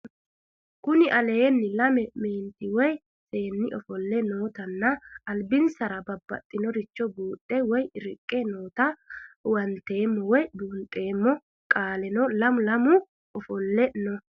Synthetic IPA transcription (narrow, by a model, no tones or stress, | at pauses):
kʊnɪʔɐleːnːɪlɐmɛme̞ːnt̪ɪwɔj | se̞ːnːɪʔɔ̰fɔlːɛnoːt̪ɐnːɐːlbɪnsɐɾɐbɐbːɐ̰t̪ʼːɪnɔɾɪt͡ʃːɔbuːt̪ʼːɛwɔjɪɾɪkʼːeno̞ːt̪ɐwɐnt̪e̞ːmːɔwɔjbuːnt̪ʼe̞ːmːɔ | kʼaːlɛnɔlɐmʊlɐmʊ | ɔfɔlːɛnɔ